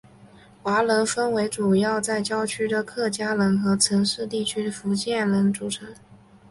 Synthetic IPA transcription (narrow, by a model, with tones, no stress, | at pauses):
xwa˧˥lə˧˥nfə˥nwe˧˥ɪʈ͡ʂu˨˩jɑ˥˧ʊt͡sa˥˩ɪt͡ɕjɑ˥ʊt͡ɕʰy˥d̪ə˨kʰɤ˥˩t͡ɕja˥lə˧˥nxɤ˧˥t͡sʰɤ˧˥ŋʂɻ̩˥˧t̪i˥˩t͡ɕʰy˥d̪ə˨fu˧˥t͡ɕjɛ˥˩nlə˧˥nʈ͡ʂu˨˩ʈ͡ʂʰɤ˧˥ŋ